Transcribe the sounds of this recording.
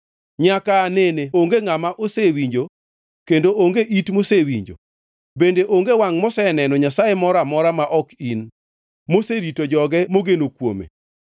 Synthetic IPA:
ɲakaneneoŋɡeŋamaʔosewiɲd͡ʒo | kendooŋɡeʔitmosewiɲd͡ʒo̰ | bendeʔoŋɡewaŋmɔsɛnɛnɔɲasajemɔɾamɔɾamaʔɔkin | moseɾitod͡ʒɔɡɛmoɡenokwo̰mḛ

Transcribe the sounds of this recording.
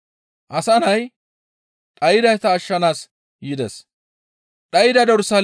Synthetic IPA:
ʔɐsɐnɐj | t̪ʼɐjɪd̪ɐjt̪ɐːʃːɐnaːs | jɪd̪ɛs | ᶑ̪ʼɐjɪd̪ɐd̪ɔɾʊsɐl

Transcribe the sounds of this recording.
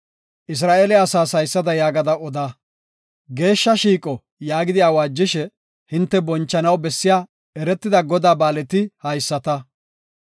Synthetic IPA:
ʔɪs̬ɾaːʔeːlɪɐsaːsɐjsːɐd̪ɐjaːɡɐd̪ɐʔɔd̪a | ɡe̞ːʃːɐʃiːkʼɔ | jaːɡɪd̪ɪjaːwaːd͡ʒːɪʃɛ | hɪnt̪ːɛbɔnt͡ʃːɐnɐwbɛsːɪjaː | ɛɾɛt̪ːɪd̪ɐɡɔd̪aːbaːlɛt̪ɪhɐjsːɐt̪ɐ

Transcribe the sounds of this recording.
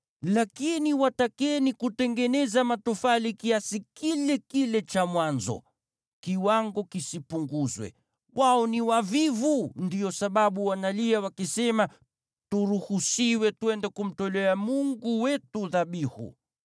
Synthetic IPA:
lakiniwatakɛnikutɛŋɡɛnɛzamatɔfalikiasikilɛkilɛt͡ʃamwanzɔ̰ | kiwaŋɡɔkisipuŋɡuzwɛ̰ | waɔniwavivundiɔsaɓaɓuwanaliawakisɛma | tuɾuhusiwɛtuwɛndɛkum̩tɔlɛamuŋɡuwɛtuðaɓihṵ

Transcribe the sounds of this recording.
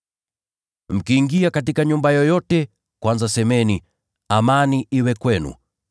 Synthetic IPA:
m̩kiːŋɡiakatikaɲumbajɔjɔtɛ | kwanzasɛmɛni | amaniʔiwɛkwɛnṵ

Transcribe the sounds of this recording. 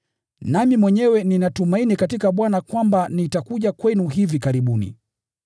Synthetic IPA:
namimwɛɲɛwɛninatumainikatikaɓwanakwambanitakuʄakwɛnuɦivikaɾiɓunḭ

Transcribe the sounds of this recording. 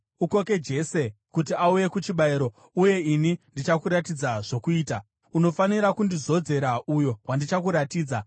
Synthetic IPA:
uko̞ke̞d͡ʒe̞se̞kut̬iauje̞kut͡ʃiɓaiɾo̞ | uje̞inindit͡ʃakuɾatid͡zaʐo̞kuiːta | uno̞faniɾakundizo̞d͡ze̞ɾaujo̞wandit͡ʃakuɾatiːd͡za

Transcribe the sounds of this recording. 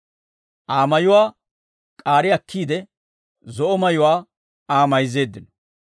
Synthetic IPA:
ʔaːmɐjʊwaː | kʼaːɾɪɐkʰːiːd̪ɛ | zɔʔɔmɐjʊwaː | aːmɐjze̞ːd̪ːɪnɔ̥

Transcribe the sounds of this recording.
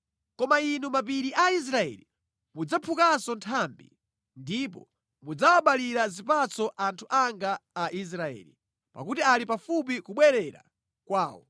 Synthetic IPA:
kɔmainumap̬iɾiʔais̬ɾaɛ̰li | mud͡zapʰukasɔntʰambḭ | ndip̬ɔ | mud͡zawaɓaliɾazipat͡sɔʔantʰuʔaŋɡaːʔis̬ɾaɛ̰ːli | pa̰kutialipafup̬ikuɓwɛɾɛɾa̰ | kwaːwɔ̰

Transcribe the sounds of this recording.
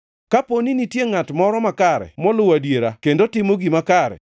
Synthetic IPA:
kaponinitjeŋatmɔɾɔmakaɾɛ̰mɔlʊwadjeɾakendotɪmoɡimakaɾɛ̰

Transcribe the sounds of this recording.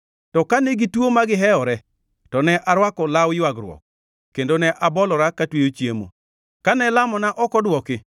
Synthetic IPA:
tɔkanɛɡitwomaɡɪɦɛɔɾɛ | tɔnɛʔaɾwakɔlawjwaɡɾwɔ̰k̚ | kːendonɛʔabɔlɔɾakatwejot͡ʃjemo̰ | kanɛlamɔnaʔɔkɔdwɔkɪ

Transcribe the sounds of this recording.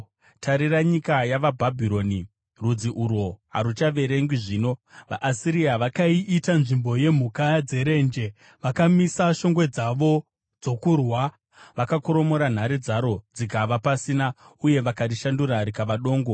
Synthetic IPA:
tʰaɾiraɲikajaʋabʱabʱiɾo̞ni | rud͡ziʔuɾoɦa̰ɾut͡ʃaʋe̞ɾe̞ŋɡiʐiːnoʋa̰ʔːsiɾiaʋakaiʔitanʐimbo̞je̞m̤ukad͡ze̞ɾe̞ːnd͡ʒe̞ | ʋakamisaʃo̞ŋɡwe̞d͡zaʋo̞ | d͡zo̞kurwa | ʋakakuɾo̞mo̞ɾan̤aɾid͡zaɾo̞d͡zikaʋapasina | uje̞ʋakatiʃanduɾaɾikaʋaɗo̞ːŋɡo̞

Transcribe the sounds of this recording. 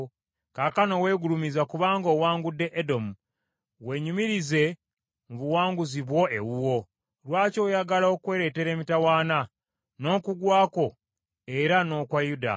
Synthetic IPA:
kakano̞we̞ːɡulumizakuβaːŋɡo̞ːwaːŋɡudːe̞ʔedo̞mu | we̞ɲumiɾize̞ | muβuwaːŋɡuziβwo̞e̞wuwo̞ | lwaːco̞ːjaɡalao̞kwe̞ɾe̞te̞ɾe̞ːmitawaːna | no̞ːkuɡwaːko̞ | e̞ɾano̞kwajuda̰

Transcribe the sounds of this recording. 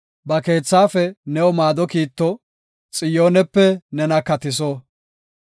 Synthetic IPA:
bɐke̞ːt͡sːaːfɛnɛwɔmaːd̪ɔkiːt̪ːɔ | t͡sʼɪjo̞ːnɛpːɛnɛnɐkɐt̪ɪs̬o

